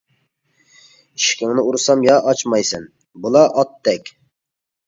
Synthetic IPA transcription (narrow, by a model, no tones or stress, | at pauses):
iʃkʲɪŋnɪuɾɨsɑmjɑʔɑt͡ʃmɑjsɛn | bulˠɑʔɑt̪ːɛkʲ